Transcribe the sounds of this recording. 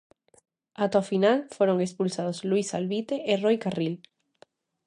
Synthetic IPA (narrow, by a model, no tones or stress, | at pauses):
at̪ofinalfoɾoŋespulsaðoslwisalβit̪eʔerojkaril